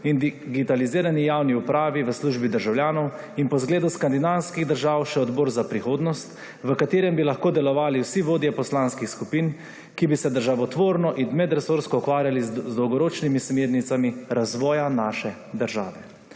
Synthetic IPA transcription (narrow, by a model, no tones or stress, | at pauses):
ind̪iɡit̪aliziːɾanijaːwniupɾaːʋiʋəsluːʒbid̪əɾʒawljaːnɔw | inpɔzɡleːd̪uskand̪inawskiɣd̪əɾʒaːwʃɛɔd̪bɔːɾzapɾixoːd̪nɔst̪ | ʋəkat̪eːɾɛmbilaxkoːd̪ɛlɔʋaːliwsiʋoːd̪jɛpɔslaːnskixskupiːn | kibisɛd̪əɾʒaʋɔt̪ʋoːɾnɔʔinmɛd̪ɾɛsoːɾskɔukʋaːɾjalizd̪ɔwɡɔɾoːt͡ʃnimismeːɾnit̪samiɾazʋɔːjanaːʃɛ | d̪əɾʒa̰ːʋɛ